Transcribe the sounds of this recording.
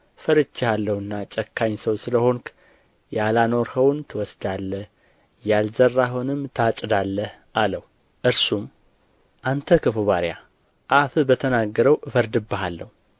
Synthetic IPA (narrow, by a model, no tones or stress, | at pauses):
fəɾɨt͡ʃːɪhalːəhɨnːat͡ʃʼəkʰːaɲsəwsɨləho̞ŋkʰ | jalano̞ɾhəwnt̪ʰɨwɔsd̪alːəh | jalzərːaɦonɨmːt̪ʰat͡ʃʼɨd̪alːəh | ʔaləh | ʔɨɾsum | ʔant̪ʰəkʰɨfuβaɾja | ʔafɨbət̪ʰənaɡːəɾəwfəɾd̪ɨbːaɦalːəhu